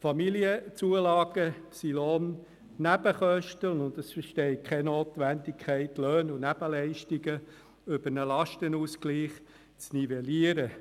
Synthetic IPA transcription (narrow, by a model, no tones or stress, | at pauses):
fɑmiliət͡suəlɑːɡ̥əsilon | næb̥əχœʃtənʊnd̪əsfəʃtɛɪkʰχɛnoːt̪ʋændikʰχɛɪtløːnʊnæb̥əlɛɪʃtiɡə | øb̥əɾnəlɑʃtənuːskliːχ | t͡snivɛliəɾə